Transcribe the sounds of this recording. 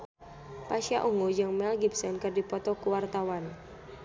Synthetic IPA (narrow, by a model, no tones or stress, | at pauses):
paʃiaʔuŋud͡ʒɨŋmɛlɡibsɛnkərdipɔt̪ɔkuwart̪awan